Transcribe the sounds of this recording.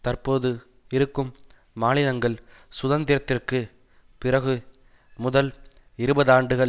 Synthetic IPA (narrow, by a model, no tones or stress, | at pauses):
t̪ɐrpoːðɯ | ɪɾɯkːɯmː | aːnɪlɐŋɡɐɭsʊðɐnd̪ɪɾɐt̪ːɪrkɯ | pɪrɐɣɯ | mʊðɐl | ɪɾɯbɐðaːɳɖɯɣɐ